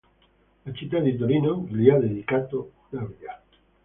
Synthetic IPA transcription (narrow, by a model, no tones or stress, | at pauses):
lat͡ʃit̪̬aðit̪̬oɾinoŋliaðeðikat̪o | naβiða